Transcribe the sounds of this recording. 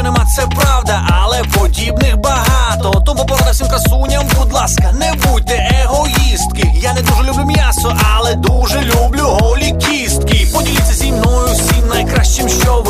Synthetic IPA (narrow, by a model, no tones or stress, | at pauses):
ɔnɛmat̪sɛpɾawd̪ɐʔɐlˠɛpɔdʲibnɪxbɐɦɑt̪ɔt̪ɔmupɔɾɐnɐfsʲimkɐsunʲɐmbud̪lˠaskɐnɛbuj̚t̪ːɛʔeɦɔist̪kɪjanɛd̪uʒɛlʲubɪmʲjasɔʔɐlˠɛd̪uʒɛlʲublʲʊɦɔlʲikʲist̪̚kɪpɔdʲilʲiɪt̪ʲt͡sʲːɐzʲimnɔjʊssʲimnɐjkɾaʃt͡ʃɪmʃt͡ʃɔʋ